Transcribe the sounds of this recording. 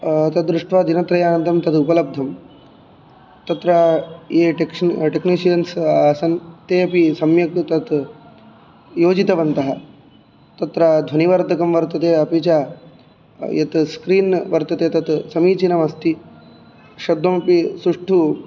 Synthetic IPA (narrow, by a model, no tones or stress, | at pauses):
t̪ɐt̪̚d̪ɾuʂʈʋaːd̪inɐt̪ɾɐjaːnɐnt̪ɐmt̪ɐd̪upɐlɐb̚d̪ʱɐm | t̪ɐt̪ɾajeːʈekʂʈeknisijɐnsaːsɐnt̪eːɐpisɐmjɐkt̪ɐt̪ | joːd͡ʒit̪ɐʋɐnt̪ɐɦɐ | t̪ɐt̪ɾad̪ʱʋɐniʋɐɾd̪ʱɐkɐmʋɐɾt̪ɐt̪eːɐpit͡ʃaː | jɐ̰t̪skɾiːnʋɐɾt̪ɐt̪eːt̪ɐt̪sɐmiːt͡ʃinɐmɐst̪i | ʃɐd̪ʱːɐmɐpisɾuʂʈʰu